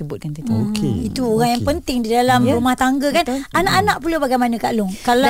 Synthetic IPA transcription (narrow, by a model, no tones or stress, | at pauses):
əbʊt̪̚kant̪it̪uoɣaŋjaŋpənt̪ɪŋdidalamɾumaht̪aŋɡakananãʔanãʔpulobaɡajmanə̃kaʔlʊŋkala